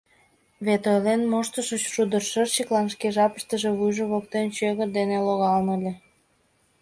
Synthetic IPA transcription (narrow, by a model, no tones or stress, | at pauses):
βet̪ojlenmoʃt̪əʃət͡ɕʃud̪ərʃərt͡ɕəklɑnʃkeʒɑpəʃt̪ə̆ʒeβujʒoβokt̪ent͡ɕøɣərd̪eneloɣɑlnəlʲe